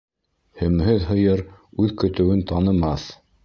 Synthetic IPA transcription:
hɵ̆mɦɵðɦɤ̆jɤɾʉðkɵ̆t̪ɵ̆wɘnt̪ɑnɤ̆mɑθ

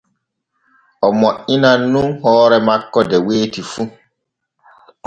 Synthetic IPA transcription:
ɔmɔinanũŋhɔːɾɛmakːɔdɛweːtifu

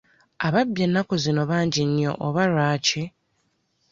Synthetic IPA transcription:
aβabːje̞nːako̞zino̞βaːɲɟinjo̰ʔoβaɾaːce

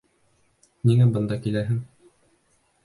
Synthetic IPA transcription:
niŋæbɤ̆nd̪ɑkilæɦɘŋ

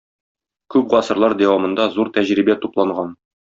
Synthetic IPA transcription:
kʉp̚ʁɒsɤ̆ɾlˠɑɾd̪æwɑmɤ̆nd̪ɑzuɾt̪æʑɾibæt̪uplˠɑɴɢɑn

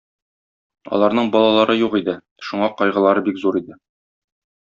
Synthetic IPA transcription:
ɒ̰lˠɑɾnɤɴbɒlˠɑlˠɑɾɤjuʁid̪ɘ | ʃuɴɑqɒjʁɤ̆lˠɑɾɤbikzuɾid̪ɘ

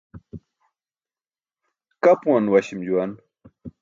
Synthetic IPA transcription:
kapuwanwɐɕimd͡ʑuan

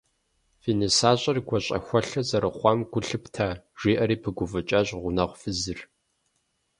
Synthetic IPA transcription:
fiːnisaːɕʼɐrɡʷɔɕʼɐ̰xʷɔɬɐzɐɾɨχʷɑmɡʷʊɬɨptʰaːʒ̥iːʔɐɾiːpʰɨɡʷʊvɨt͡ʃʼɐɕʼʁʷʊnɐʁʷfɨzɨr

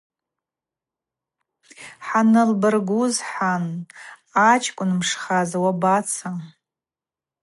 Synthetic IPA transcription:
ħanɨlbɨrɡʷuzħan | at͡ʃʰʼkʷʼʊnmʂχazawabat͡sʰa

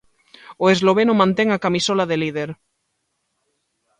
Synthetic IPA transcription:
oezloβ̞enomãnt̪eŋakamisolaðelið̞eɾ

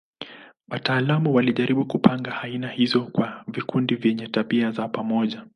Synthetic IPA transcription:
wataːlamuwaliʄaɾiɓukupʰaŋɡahainahizɔkwavikundivjɛɲɛtaɓiazapamɔʄa

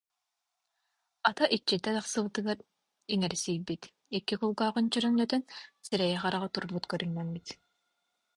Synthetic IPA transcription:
at̪aʔit͡ʃːid̪ɛt̪aχsɯβɯt̪ɯɡaɾ | iŋɛɾsijbit̪ | ɛkːikulˠɡaːʁɯnt͡ɕœɾœŋlœt̪œnsiɾɛjɛχaɾaʁat̪uɾbut̪kœɾynːɛmbit̪

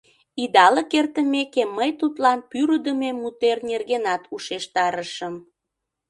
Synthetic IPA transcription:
id̪ɑlekert̪əmekemːəjt̪ut̪lɑnpyɾəd̪əmemːut̪ernerɣenɑt̪uʃeʃt̪ɑɾəʃəm

